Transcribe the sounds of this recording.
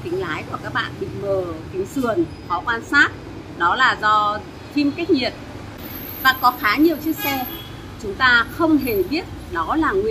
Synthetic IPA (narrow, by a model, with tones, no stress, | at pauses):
k̪ï˨˦ŋ̟laː˨˦jku˧˩əkaː˦˥k̚ɓa̰ː˧˨nɓḭ˧˨məː˨˩k̪ï˨˦ŋ̟sɨ˨˩ən | hɔ̰˧˩kwaː˧nsaː˦˥t̚ | ɗɔ˨˦laː˨˩zɔ˧ | t̪ʰi˧mka˦˥jk̚ɲi˨˩ət̚ | vaː˨˩kɔ˨˦xaː˨˦ɲi˨˩əwt͡ɕi˦˥ək̚sɛ˧ | t͡ɕʊ˨˦ŋ͡mt̪aː˧xə˧wŋ͡mɦe˨˩ɓi˦˥ət̚ɗɔ˨˦laː˨˩ŋwi˨˧˨